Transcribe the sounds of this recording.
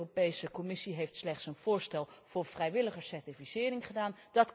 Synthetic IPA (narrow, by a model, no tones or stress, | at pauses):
ropejsəkɔmɪsiɦejftslɛχtsənv̥ʊːɹstɛlˠv̥ʊːɹv̥rɛjʋɪləχəsɛɹtifisɪːrɪŋχədaːnd̥ɑt